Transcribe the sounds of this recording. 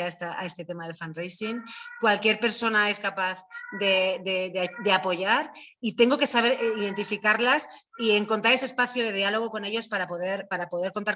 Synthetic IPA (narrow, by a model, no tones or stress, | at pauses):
aest̪aa̰e̞st̪e̞t̪e̞maðe̞lfanrejsiŋkwalkje̞ɾpe̞ɾso̞nae̞skapaθðe̞ðeðd̪e̞apo̞ʝaɾ | it̪e̞ŋɡo̞ke̞saβ̞e̞ɾiðe̞nt̪ifikaɾlas | ie̞ŋko̞nt̪aɾe̞s̬espaθjoð̞e̞ð̞ialo̞ɣ̞o̞ko̞ne̞ʎo̞spaɾapo̞ðe̞ɾpaɾapo̞ðeɾko̞nt̪aɾ